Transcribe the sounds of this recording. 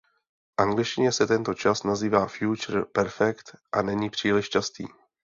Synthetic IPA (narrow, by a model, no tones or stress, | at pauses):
fʔaŋɡlɪʃcɪɲɛsɛt̪ɛnt̪o̞t͡ʃasnaziːvaːfjut͡ʃɾ̩pɛɾfɛkt̪ʔanɛɲiːpr̝̥iːlɪʃt͡ʃast̪ḭː